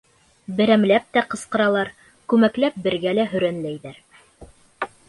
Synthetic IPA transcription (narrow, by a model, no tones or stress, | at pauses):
bɘ̆ɾæmlæp̚t̪æqɤ̆sqɤ̆ɾɑlˠɑɾ | kʉmæklæp̚bɘ̆ɾɡælæɦɵ̆ɾænlæjðæɾ